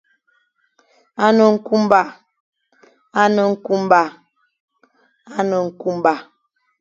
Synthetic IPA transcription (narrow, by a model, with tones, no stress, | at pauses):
a˦nə˨ŋ̩˦ku˦m˦ba˦˨ | a˦nə˨ŋ̩˦ku˦m˦ba˦˨ | a˦nə˨ŋ̩˦ku˦m˦ba˦˨